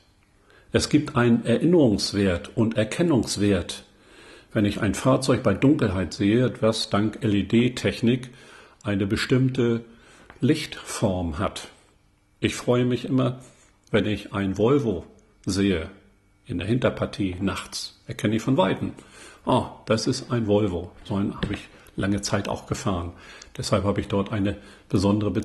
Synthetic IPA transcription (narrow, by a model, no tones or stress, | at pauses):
ʔɛsɡ̥iːp̚tʔaɪnənɛɐʔɪnəʁʊŋsv̥eːɐtʊntɛɐkʰɛnʊŋsv̥eːɐt | vɛnɪça̰ɪnfaːɐt͡sɔʏçb̥aɪdʊŋkl̩ɦaɪtz̥eːəv̥asd̥aŋkʔɛledeːtʰɛçnɪkʔaɪnəbəʃtɪmtə | lɪçtfɔɐmɦat | ʔɪçfʁ̥ɔʏəmɪçʔɪmɐ | vɛnɪçʔaɪnvɔlvo | zeːə | ʔɪndeːɐhɪntɐpʰaɐtʰiːnaχt͡sʔɛɐkʰɛnəɪçfɔnvaɪtn̩ʔad̥asɪstʔaɪnvɔlvoz̥oɪnha̰ːbəɪç | laŋət͡saɪta̰ʊxɡ̥əfaːʁənd̥ɛshalphaːbəɪçd̥ɔɐtʔaɪnə | b̥əzɔndəʁəbət͡s